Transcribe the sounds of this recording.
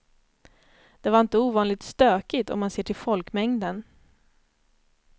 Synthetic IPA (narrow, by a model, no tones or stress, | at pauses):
d̪̥ɛvaɾɪnt̪əuːvɑːnlɪt̪st̪øːkɪt̪ɔ̰mːanseːʈʰɪlfɔlkmɛŋd̪ən